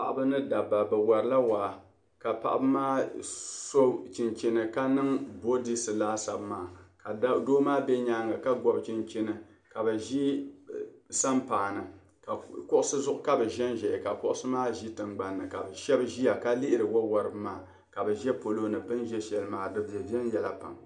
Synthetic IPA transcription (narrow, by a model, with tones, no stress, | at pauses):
a˦˨ʔa˦bɨ˦nɨ˦da˨ba˨bɨ˨wa˨ɾɨ˦la˦waː˨ | ka˨pa̰˨ʔa˦bɨ˦maː˦so˦t͡ʃi˨nt͡ʃi˦nɨ˨ka˦nɨ˦ŋbo˦di˦sɨ˨laː˦sa˨bmaː˨ka˨˦doː˦maː˦bɛ˦ɲa˦ŋɡa˨ka˦ɡɔ˦bt͡ʃi˦nt͡ʃi˦nɨ˨ | ka˨bɛ˨ʒi˦ | sa˦mpaː˨nɨ˨ | ka˨kʊ˦ʔʊ˦sɨ˦zʊ˦ʔʊ˦ka˦bɨ˨ʒɛ˦nʒɛ˨ka˨kʊ˦ʔʊ˦sɨ˦maː˦ʒi˦tɨ˨ŋɡ͡ba˦nːɨ˨ka˨bɨ˨ʃɛ˦bʒi˦ja˨ka˦lɪ˦ʔɪ˦ɾɨ˨wɔ˦wa˨ɾɨ˨bɨ˦maː˨ | ka˨bɨ˨ʒɛ˦po˨lo˦nɨ˨pɨ˦nʒɛ˦ʃɛ˨lɨ˦maː˨dɨ˨bɛ˨bɛ˦njɛ˨la˨pa̰˨ŋ